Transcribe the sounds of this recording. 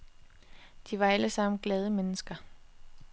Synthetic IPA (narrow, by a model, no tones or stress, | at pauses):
d̥iʋɑ̈æləsɑ̈m̰n̩ɡ̥lɛːð̞ˠəmenəsɡ̥ɐ